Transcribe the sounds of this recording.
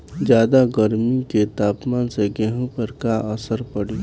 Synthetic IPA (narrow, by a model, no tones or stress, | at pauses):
d͡ʒjaːd̪aɡəɾmiket̪aːpmaːnseɡɛɦõpəɾkaʔəsəɾpəɽiː